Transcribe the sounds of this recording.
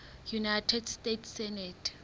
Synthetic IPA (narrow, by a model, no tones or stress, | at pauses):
junajtʰɛdstetʰsɛnɛtʰ